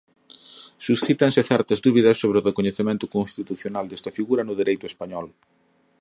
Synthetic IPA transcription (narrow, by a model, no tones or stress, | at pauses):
susθit̪ɐnsɪθɛɾt̪ɐzðuβiðɐsːoβ̞ɾeʊrekoɲeθemẽnt̪ʊkõnst̪it̪uθjonald̪ɛst̪ɐfiɣuɾɐnʊðiɾejt̪ʊespaɲɔl